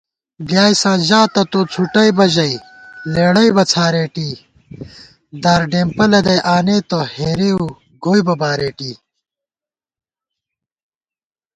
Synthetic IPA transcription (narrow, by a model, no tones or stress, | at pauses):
bjaːisãːʑaːt̪ɐt̪oːt͡sʰuʈɐjbɐʑɐi | leːɽɐjbɐt͡sʰaːɾeːʈiː | d̪aːɾɖeːmpɐlɐd̪ɐjʔaːneːt̪ɐheːɾeu | ɡoːjbɐbaːɾeːʈiː